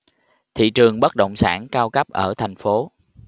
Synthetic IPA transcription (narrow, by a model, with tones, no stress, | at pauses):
t̪ʰḭ˧˨t͡ɕɨ˨˩əŋɓə˦˥t̚ɗə̰˧˨wŋ͡msa̰ː˧˩nkaː˧wkə˦˥p̚ʔəː˧˩t̪ʰa˨˩jŋ̟fo˨˦